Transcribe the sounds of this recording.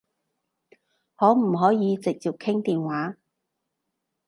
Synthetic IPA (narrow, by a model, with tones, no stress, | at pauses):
hɔː˨˥m̩˨˩ɦɔː˨˥jiː˨˧t͡sɪ˨k̚t͡siː˨˩p̚kʰɪ˥ŋt̪iː˨nwaː˨˥